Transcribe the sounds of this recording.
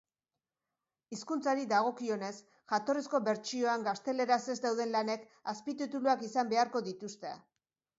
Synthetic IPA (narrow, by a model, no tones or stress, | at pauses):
iskunt͡saɾid̪aɣ̞o̞kio̞ne̞s | ʝat̪o̞risko̞βe̞ɾt͡ʃio̞aŋɡast̪e̞le̞ɾase̞zd̪awðe̞nlane̞k | aspit̪it̪uluakisambe̞aɾko̞ðit̪ust̪ea